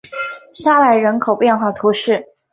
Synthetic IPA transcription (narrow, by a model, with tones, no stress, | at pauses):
ɕja˥˩wa˥˩ɪɻə˧˥nkʰo˨˩ʊpjɛ˥˧nxwa˥˩t̪ʰu˧˥ʂɻ̩˥˩